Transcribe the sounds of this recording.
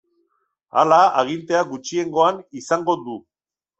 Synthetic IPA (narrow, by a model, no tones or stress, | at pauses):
a̰laaɣ̞int̪e̞aɡut͡ʃie̞ŋɡo̞anisaŋɡo̞d̪u